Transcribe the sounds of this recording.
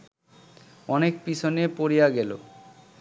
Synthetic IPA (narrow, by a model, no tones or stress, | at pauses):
ɔnekpit͡ɕʰonepoɾijaɡɛlo̰